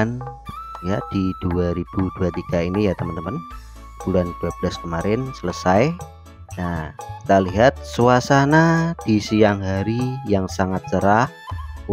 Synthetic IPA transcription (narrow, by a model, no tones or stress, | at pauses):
njad̥id̥uaɾib̥uduat̪iɡainijat̪əmənt̪əmən | b̥ulanbablaskəmaɾɪnsələsaj | naki̥t̪aliɦat̪̚suasanad̥isijaŋɦaɾijaŋsaŋat̪̚t͡ʃəɾah